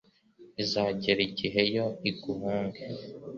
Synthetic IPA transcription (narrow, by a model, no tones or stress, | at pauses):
izaːɟeɾiɟiɦe̞jo̞iɡuɦaːŋɡe